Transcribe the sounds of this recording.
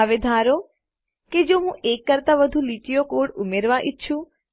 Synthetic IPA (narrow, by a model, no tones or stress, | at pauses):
aʋed̪ʱaɾo | ked͡ʒoɦũekːəɾt̪aʋəd̪ʱũliʈijokoɽumeɾʋãʔit̪ːʃʰũ